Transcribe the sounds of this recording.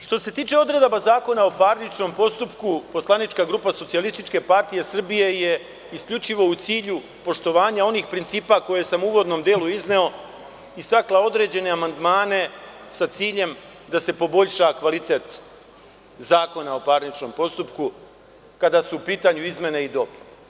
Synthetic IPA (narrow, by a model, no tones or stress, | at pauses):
ʃt̪o̞se̞t̪iːt͡ʃe̞o̞d̪ɾe̞d̪obazaːko̞nao̞paːɾnit͡ʃno̞mpo̞st̪upkupo̞slˠanit͡ʃkaɡɾuːpaso̞t̪sialist̪it͡ʃke̞paɾt̪ije̞sr̩bije̞je̞ | iskʎʲut͡ʃiʋo̞ut̪siːʎu | po̞ʃt̪o̞ʋaːɲao̞niːxpɾint̪siːpako̞je̞samuuːʋo̞d̪no̞ːmd̪eːluizne̞o̞ | ist̪aklao̞d̪ɾe̞ːd͡ʑe̞ne̞amand̪maːne̞sat̪siːʎe̞m | d̪ase̞po̞bo̞ʎʃakʋalit̪e̞ːt̪ | zaːko̞nao̞paɾnit͡ʃno̞ːmpo̞st̪upku | kad̪asuːpiːt̪aːɲuizme̞neid̪o̞p